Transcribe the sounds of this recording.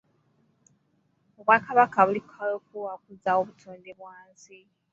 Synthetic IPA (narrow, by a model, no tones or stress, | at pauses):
oβwaːkaβakaβulikʰalokʰuwakuzaoβutʰoːnde̞βwaːnsi